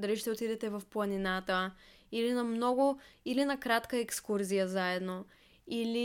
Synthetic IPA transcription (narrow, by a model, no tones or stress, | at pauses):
d̪ɐliʃt̪ɛot̪id̪ɛt̪ɛvɐfplˠɐninat̪ə | ilinɐmnɔɡʊilinɐkɾat̪kəɛkskuɾzijəzaɛd̪no | ili